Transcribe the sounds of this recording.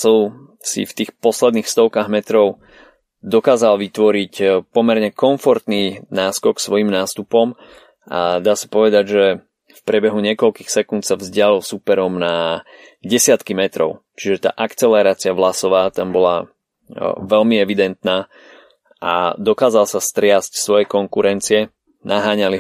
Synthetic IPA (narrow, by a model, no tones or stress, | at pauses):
s | sḭft̪iːxpɔslɛd̪niːxfst̪ɔʊkaːɣmɛt̪ɾɔʊ | d̪ɔkaːzalʋit̪ʋɔɾicpɔmɛɾɲɛkɔɱfɔɾt̪ninaːskɔksʋɔjimnaːst̪upɔm | ʔa̰d̪aːsḁpɔʋɛd̪aɟʒɛ | fpɾɪɛbɛɦuɲɪɛkɔlkiːxsɛkunt̪savzɟɪalilsupɛɾɔmna | ɟɛsɪat̪kimɛt̪ɾɔ̰ʊt͡ʃiʒɛt̪a̰ːʔakt͡sɛlɛɾaːt͡siaʋlasɔʋaːt̪ambɔla | ʋɛlmiɛʋid̪ɛnt̪naː | ʔa̰d̪ɔkaːzalsast̪ɾɪascsʋɔjɛkɔŋkuɾɛnt͡siɛ | nʔaɦaːɲaliɦ